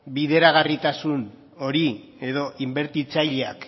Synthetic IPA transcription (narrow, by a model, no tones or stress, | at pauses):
biðe̞ɾaɣ̞arit̪asun | o̞ɾi | e̞ðo̞ʔimbe̞ɾt̪it͡saʎeak